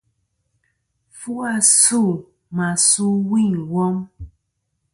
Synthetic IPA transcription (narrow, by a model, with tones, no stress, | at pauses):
fu˦a˦˨su˦˨ | ma˨su˦wi˦˨ŋwɔ˦m